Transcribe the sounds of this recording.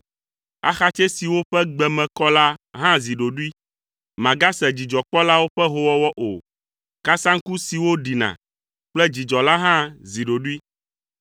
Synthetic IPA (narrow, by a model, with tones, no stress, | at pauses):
a̰˦xa˦t͡ʃɛ˦si˨wo˦ɸɛ˦ɡ͡bɛ˨mɛ̃˨kɔ˦la˦ɦã˦zi˨ɖo˨ɖu˦i˦ | mã˨ɡa˦sɛ˨d͡ʑi˨d͡ʒɔ˨k͡pɔ˦la˦wo˦ɸɛ˦ɦo˦wɔ˦wɔ˦ʔo˨ | ka˦sã˦ŋ̩˦ku˦si˨wo˦ɖi˨nã̰˨ | k͡plɛ˦d͡ʑi˨d͡ʒɔ˨la˦ɦã˦zi˨ɖo˨ɖu˦i˦